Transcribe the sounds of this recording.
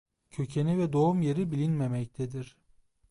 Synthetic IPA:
cʰø̞cʰenivɛd̪o̞umje̞ɾibilʲinmemɛc̚t̪ʰɛd̪iɾ̥

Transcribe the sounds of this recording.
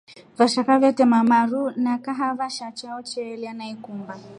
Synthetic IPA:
vaʃakavɛtɛmamaɾunakaɦavaʃat͡ʃaɔt͡ʃɛɛlianaikumba

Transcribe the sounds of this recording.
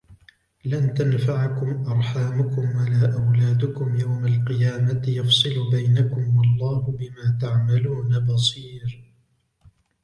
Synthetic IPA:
lant̪anfaʕkʊmʔɑɾˤħaːmʊkʊmwalaːʔawlaːd̪ʊkʊmjawmalqɨjaːmajɑfsˤɨlʊbajnakʊmwɑlˤːɑːhʊbɪmaːt̪aʕmaluːnabɑsˤiːɾ

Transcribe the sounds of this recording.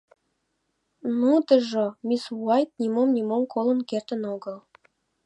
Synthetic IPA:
nud̪ə̆ʒomʲiswuɑjt̪̚nʲimomnʲimomkʰolə̆nkert̪ə̆noɡəl

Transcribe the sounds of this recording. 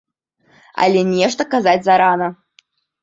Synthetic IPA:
a̰lʲɛnʲɛʂt̪ɐkazat͡sʲzaɾanɐ

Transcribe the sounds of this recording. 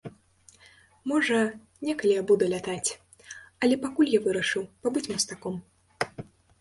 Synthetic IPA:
mɔʐɐ | nʲɛkɐlʲijabud̪ɐlʲat̪at͡sʲ | ɐlʲɛpakulʲjavɨɾɐʂɨwpabɨt͡sʲmɐst̪akɔm

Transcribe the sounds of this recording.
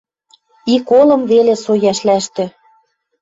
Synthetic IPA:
ikolɤ̆mvelesojæʃlæʃt̪ø̆

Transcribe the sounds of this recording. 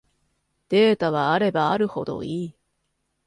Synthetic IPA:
d̪̥e̞ːt̪aβ̞aːɾe̞baːɾɯ̟ho̞d̪o̞̰iː

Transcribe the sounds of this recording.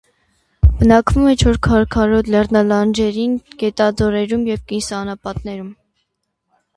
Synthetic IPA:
b̥ənɑkvumɛt͡ʃʰɔɾkʰɑɾkʰɑɾɔt̪lɛrnɑlɑnd͡ʒɛɾinɡ̥ɛt̪ɑd͡zɔɾɛɾumjɛvkinsɑnɑpɑt̪̚nɛɾum

